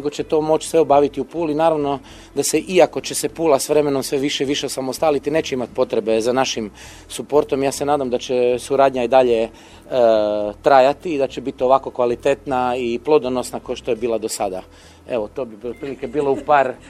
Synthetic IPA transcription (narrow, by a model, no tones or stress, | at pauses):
neɡo̞t͡ɕet̪o̞mo̞t͡ʃsʋeo̞baːʋit̪iupuːlinaːɾaʋno̞ | d̪ase̞ʔiako̞t͡ɕesepuːlasʋɾe̞meno̞msʋeʋiʃeʋiʃeosamost̪alit̪ineːt͡ɕeimat̪po̞t̪ɾe̞be̞zanaʃim | supo̞ɾt̪o̞mjaːse̞naːd̪amd̪at͡ɕesuɾaːd̪ɲaid̪aʎe̞ | t̪ɾajat̪iːd̪at͡ɕebit̪ioʋako̞kʋalit̪et̪naiplˠo̞d̪onosnakoʃt̪o̞jebiːlˠad̪o̞sad̪a | e̞ʋot̪o̞ːbibopɾiːlike̞biːlo̞upaɾ